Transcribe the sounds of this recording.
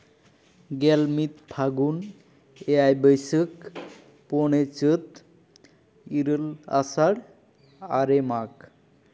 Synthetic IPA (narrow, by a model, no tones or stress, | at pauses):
ɡɛlmit̪pʰaɡun | eajbəjsək | poɽ̃et͡ɕət̪ | iɾəla̰saɽ | a̰ɾemak